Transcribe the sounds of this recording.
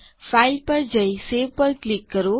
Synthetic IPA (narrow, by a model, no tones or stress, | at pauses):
pʰajlpəɾd͡ʒəjseʋpəɾklikːəɾo